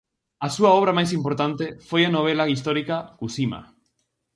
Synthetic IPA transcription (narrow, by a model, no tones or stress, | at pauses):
asuaoβ̞ɾamajsimpo̞ɾt̪ant̪e̞fojenoβ̞elaɣis̬t̪o̞ɾikakusima̰